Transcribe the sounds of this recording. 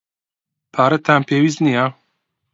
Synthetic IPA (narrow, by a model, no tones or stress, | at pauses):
pʰaːɾɐt̪ʰaːmpʰeːwiːznijaː